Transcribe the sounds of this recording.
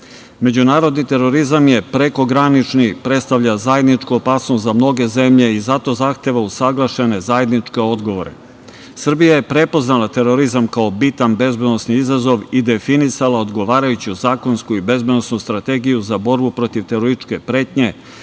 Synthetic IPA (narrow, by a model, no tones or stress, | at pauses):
me̞d͡ʑunaːɾo̞d̪nit̪e̞ɾo̞ɾizamje̞pɾe̞ko̞ɡɾanit͡ʃnipɾe̞t̪st̪aʋʎazaje̞d̪nit͡ʂkuopaːsnost̪zamno̞ɡe̞ze̞mʎe̞izat̪o̞zaxt̪e̞ʋausaɡlˠaʃe̞ne̞zaje̞d̪nit͡ʂke̞o̞d̪ɡo̞ʋo̞ɾḛ | sr̩bijaje̞pɾe̞po̞znalˠat̪e̞ɾo̞ɾizamkaobit̪anbe̞zbed̪no̞sniizazo̞ʋid̪e̞finisalaod̪ɡo̞ʋaːɾajut͡ɕuzaːko̞nskuibe̞zbed̪nosnust̪ɾat̪e̞ɡijuzabo̞ɾbupɾo̞t̪iʋt̪eɾoɾit͡ʃke̞pɾeːt̪ɲe̞